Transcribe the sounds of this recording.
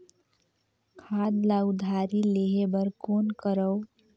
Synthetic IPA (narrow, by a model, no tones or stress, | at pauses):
kʰad̪laud̪ʱaɾileɦebəɾkonkəɾəw